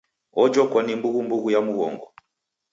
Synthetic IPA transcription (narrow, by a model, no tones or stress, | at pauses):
ɔd͡ʒɔkwanimbuɣumbuɣujamuɣɔ̰ŋɡɔ